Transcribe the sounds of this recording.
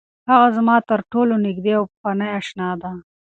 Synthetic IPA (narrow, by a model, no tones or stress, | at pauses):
haɣazmɑt̪əɾʈolonɪɡd̪eawpanajaʃnɑd̪a